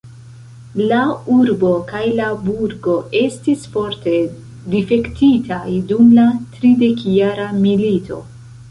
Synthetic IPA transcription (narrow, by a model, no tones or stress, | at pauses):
lauɾbo̞kajlabuɾɡo̞ʔe̞stisfo̞ɾte̞ | dife̞ktitʰajdumlatɾide̞kjaɾamilitʰo̞̰